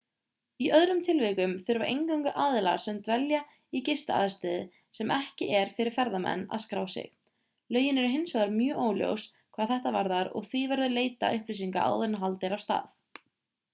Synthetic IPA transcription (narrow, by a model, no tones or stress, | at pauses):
iʔœðɾʏmt̪ʰɪlvɪkʏmθʏɾva̰ʔejŋkawŋkʏʔaːðɪla̰ɾ̥sɛmt̪vɛlja | icɪst̪aa̰ːðɪst̪ɛðɪ | sɛmʔɛhcɪʔɛɾ̥fɪɾɪɾ̥fɛɾðamɛ̰nːa̰ðskɾaːwsɪ̰x | lœːɥjɪnɛɾʏɦɪnsɔɣaɾmjœːʔoːwljo̰ws | kʰv̥aːðθɛht̪avaɾðaɾɔ̰ɣθivɛɾðʏleːjt̪a̰ʏhplisiŋka̰ʔa̰wðenaɦalt̪ɪɾavst̪a̰ːθ